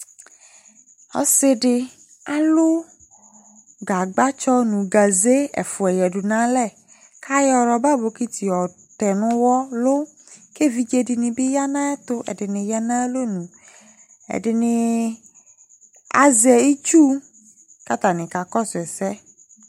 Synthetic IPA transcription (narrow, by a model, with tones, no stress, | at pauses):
ɔ̰˨sɪ˦ɖɪ˧ | a˨lʊ˦ | ɡa˨ɡ͡ba˦t͡ʃɔ˦nũ˨ɡa˨ze˦ɛ̰˨fʊ˨ɛ˨jɛ˨dʊ˨nã˦lɛ˦˨ | kʰa˦jɔ˨ɾɔ˧ba˦bo˨ki˦t̪i˨ɔ˨ | tɛ˨nʊ̃˦wɔ˦lʊ˦ | ke˦˨vi˨d͡ʒe˨dɪ˨nɪ̃˨bɪ˦ja˦nã˦ɛ˦t̪ʊ˦ʔɛ̰˨dɪ˨nɪ̃˨ja˦nã˦ɛ˦lo˦nũ˨ | ɛ̰˨dɪ˨nɪ̃˨ | a̰˨zɛ˨i˦t͡ʃu˦ | ka˦t̪a˨nɪ̃˨ka˨kɔ˦sɛ˨sɛ˦